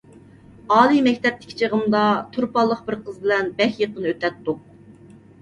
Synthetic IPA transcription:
ɑːlˠimɛkʲt̪ɛp̚t̪ɪ̥kʲʰi̥t͡ʃʰəʁəmd̪ɑt̪ʰuɾpɑlˠːəqbɪɾqʰəzbɪlɛnbɛhʲjəqənɨøt̪ʰɛt̪ːuq̚

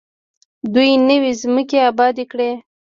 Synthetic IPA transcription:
d̪ujnəwezməkeabɑd̪ekɽe

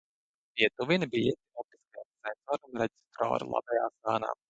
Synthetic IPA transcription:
piɛt̪uvinibijɛt̪inɔp̪i̥skajamsɛnsɔːɾunɾɛd͡ʒʲi̥st̪ɾɔ̰ːɾṵlˠa̰bɛjaːsaːna̰ː

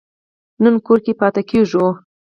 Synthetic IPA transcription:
nənkoɾkepɑt̪akeʐu

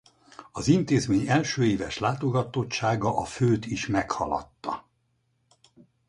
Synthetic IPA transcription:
ɒzint̪eːzmeːɲɛlʃøːeːvɛʃlaːt̪o̞ɡɒt̪o̞tt͡ʃaːɡɒʔɒføːt̪iʃmɛkhɒ̰lɒ̰t̪ːɒ̰

